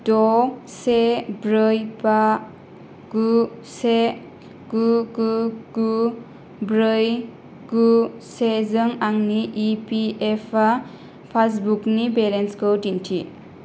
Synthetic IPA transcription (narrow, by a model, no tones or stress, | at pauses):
dɔsebɾɯjba | ɡuse | ɡuɡuɡu | bɾɯj | ɡusezɯŋaŋniʔipiepʰa | pʰasbuknibeɾenskʰowdintʰi